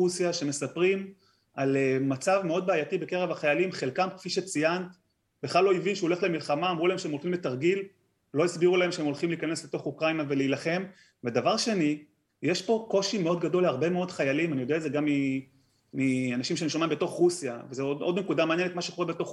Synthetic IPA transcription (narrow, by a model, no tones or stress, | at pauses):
usijaʃe̞me̞sapʁim | alemat͡savme̞o̞d̪̚beajatibe̞keʁevaχajalimχe̞lkamkfiʃet͡sijant̪ | beχlalo̞ivinʃeole̞χlemilχamaːmʁulae̞mʃeemolχimletaʁɡil | lo̞isbiʁulae̞mʃeemo̞lχimliːkane̞slet̪o̞χukʁainave̞leilaχe̞m | ved̪avaʁʃe̞ni | jeʃpo̞ko̞ʃime̞o̞d̪ɡad̪o̞laʁbe̞me̞o̞dχajalimanijo̞deazeɡamːi | mianaʃimʃenmʃomembeto̞χʁusijavezeodo̞dne̞kud̪ameaːnjenet̪maʃekoebet̪o̞χ